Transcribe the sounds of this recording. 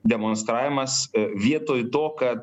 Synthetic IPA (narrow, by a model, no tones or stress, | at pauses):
d̪ʲɛmonst̪ɾaːʋʲɪmɐsʋʲiɛt̪oːjt̪oːkɐt̪